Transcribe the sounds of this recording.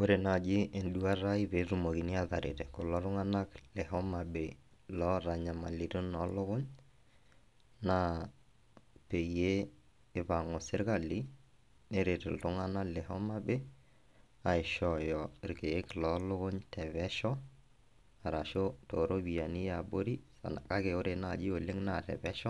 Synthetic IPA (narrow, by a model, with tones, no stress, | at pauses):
o˦ɾe˨na˨d͡ʒɪ˦ʔe˨ndu˦a˦ɾa˦i˦βe˨˦ɾu˨mo˨ki˨ni˦a˨ða˨ɾḛ˨tɛ˨ko˨lɔ˦ɾʊ˦ŋa˦na˦klɛ˨hɔ˦ma˨be˨ | lɔ˦ɾa˨ɲa˨ma˨li˨ɾo˦nɔ˨˦lʊ˦ɣʊ˦ɲ | na˦ | pe˨jeː˦˨ | βa˨ŋɔ˨sɪ˦ɾka˨li˦ | ne˦ɾe˨tɪ̰˨ltʊ˦ŋa˦na˦lɛ˨ɦɔ˦ma˦be˦ | a˨ɪ˨ʃɔ˨jɔ˨ɪ˨ɾke˨˦klɔ˨˦lʊ˦kʊ˦ɲtɛ˨βɛ˦ʃɔ˦ | a˨ɾa˨ʃo˦to˨ɾo˦bi˨a˨ni˦ja˨bo˦ɾi˦sa̰˨n˨ka˦ke˨ʊ˦ɾe˨na˦˨d͡ʒi˦o˨lɪ˦ŋna˦˨tɛ̰˨pɛ˦ʃɔ˦